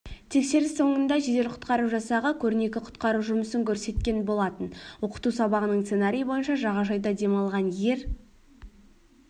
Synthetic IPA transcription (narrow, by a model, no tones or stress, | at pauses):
t̪ʰe̞kse̞ɾɪso̞ɴənd̪ɑʒed̪e̞ɾqʰʊ̥t̪qɑɾuʒɑsɑʁəkʲʰɵɾne̞kʲɪqʰʊ̥t̪qɑɾuʒʊməsəŋkʲʰɵɾse̞t̪̚kʲe̞nbo̞lˠɑt̪ənwo̞qə̥t̪usɑbɑʁənəɴsenaɾʲijbo̞jənʃɑʒɑʁɑʒɑjd̪ɑd̪e̞mɑlˠʁɑnje̞ɾ